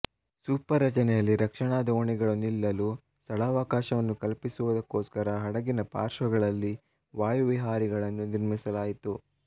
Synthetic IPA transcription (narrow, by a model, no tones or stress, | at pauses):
suːpɐɾːɐt͡ʃɐnɛjɐlːiɾɐkʂɐɳaːd̪ɐoɳiɡɐɭunilːɐluː | sɐlaːʋaːkaːʃɐʋɐnːukɐlpisuʋud̪ɐkːo̞ːskɐɾɐɦɐɽɐɡinɐpa̰ːɾʃɐɡɐɭɐlːi | ʋaːjuʋiɦaːɾiɡɐɭɐnːuniɾmisɐlaːjit̪u